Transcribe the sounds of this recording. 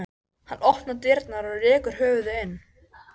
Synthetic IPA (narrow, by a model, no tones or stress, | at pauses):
hanːʔɔhpnat̪ɪɾt̪naɾɔðrɛːkʏɾ̥ɦœːvʏðɪɪnː